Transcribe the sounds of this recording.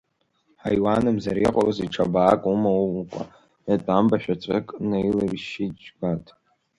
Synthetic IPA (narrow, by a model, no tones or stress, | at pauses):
ħajwanɨmzaɾiqʼalaziʈ͡ʂʰabaːkʼumawkʷʼa̰ | natʷʼambaʃᶣat͡ʃʷʼɨkʼnajlariʃid͡ʒɡatʼ